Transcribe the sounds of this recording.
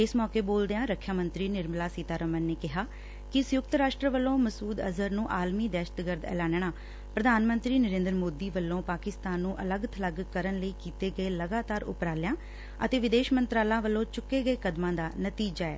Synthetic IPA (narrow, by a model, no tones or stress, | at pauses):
ɪsmɔːkeːboːld̪ejãːɾəkʰjaːmə̃nt̪ɾiːnɪɾməlaːsiːt̪aːɾəmənːeːkɪɦaː | kɪsʊjʊkt̪ɾaːʃʈɾəʋəlːõːməsuːd̪ə̰zəɾnũːʔaːlmiːd̪ɛːʃət̪ɡəɾd̪ɛ̰ːlɛ̃ːnɳ̃aː | pɾəd̪ʱaːnmə̃nt̪ɾiːnəɾẽːnd̪əɾmoːd̪iːʋəlːõːpaːkɪst̪aːnːũːʔələɡt̪ʰələɡkəɾənləiːkiːt̪eːɡəeːləɡaːt̪aːɾʊ̰pɾaːlɪjãː | ət̪eːʋɪd̪eːʃmə̃nt̪ɾaːlãːʋəlːõːt͡ʃʊkːeːɡəeːkəd̪mãːd̪aːnət̪iːd͡ʒaːɛ̰ː